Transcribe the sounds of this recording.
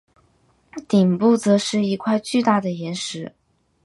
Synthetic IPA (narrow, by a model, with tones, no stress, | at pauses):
t̪i˨˩ŋpu˥˩t͡sɤ˧˥ʂɻ̩˥˧i˧˥kʰwa˥˧ɪt͡ɕy˥˧t̪a˥˩d̪ə˩jɛ˧˥nʂɻ̩˧˥